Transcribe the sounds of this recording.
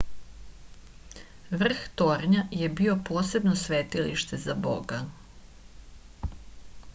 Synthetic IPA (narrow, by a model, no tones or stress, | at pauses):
ʋr̩xt̪o̞ɾɲaje̞bio̞po̞ːse̞bno̞sʋeːt̪iliʃt̪ezabo̰ɡa